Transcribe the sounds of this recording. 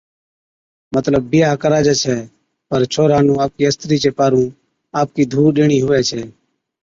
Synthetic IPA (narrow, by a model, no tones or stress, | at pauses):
mət̪ləbːɪjaːkəɾaːd͡ʒeːt͡ʃʰeː | pəɾt͡ʃʰoːɾãːnũːaːp̚kiːəst̪ɾiːt͡ʃeːpaːɾũː | aːp̚kiːd̪ʱuːɗeːɳ̃iːɦʊʋɛːt͡ʃʰeː